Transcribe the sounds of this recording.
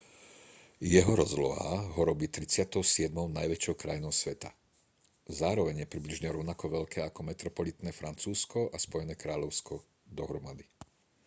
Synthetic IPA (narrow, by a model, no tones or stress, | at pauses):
jɛɦɔɾɔzlɔ̰ɦa̰ɦɔɾɔbiːt̪ɾit͡sɪat̪ɔʊsɪɛd̪mɔʊnajʋɛt͡ʃjɔʊkɾajnɔʊsʋɛt̪a̰ | zaːɾɔʋɛɲjɛpɾibliʒɲɛɾɔʊnakɔʋɛʎkʰɛːakɔmɛt̪ɾɔpɔlit̪nɛːfɾant͡suːskɔʔaspɔjɛnɛːkɾaːʎɔʊskɔ | d̪ɔɦɾɔmad̪i